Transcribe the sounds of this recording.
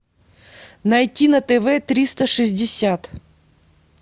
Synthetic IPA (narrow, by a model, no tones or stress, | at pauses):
nɐjtʲinɐt̪ɛvɛt̪ɾʲist̪əʂɨzʲdʲɪsʲat̪